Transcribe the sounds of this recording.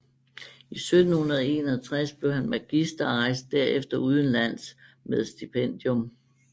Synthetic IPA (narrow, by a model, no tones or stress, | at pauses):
isød̥n̩hunɐð̞ˠe̝̰ːnɐt͡sʰʁasb̥le̝ʊhænmæɡ̥isd̥ɐɑ̈ɪsd̥̚ːæɐ̰efd̥ɐuð̞ˠn̩læn̰s | með̞ˠsd̥ipʰen̰d̥jom